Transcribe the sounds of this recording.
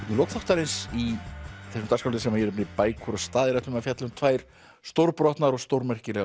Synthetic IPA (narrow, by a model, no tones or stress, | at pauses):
t̪nʏloːwkθɔht̪aɾɪnsiθɛsʏmt̪arskawlt̪ʏɪsɛmajɛɾpnɪpaːjkʰuɾast̪aːðɪɾɛht̪ʏmafjat̪lʏmt̪ʰvaːjɾ̥ | st̪owɾpɾɔht̪naɾɔɣst̪owɾmɛr̥cɪlɛɣ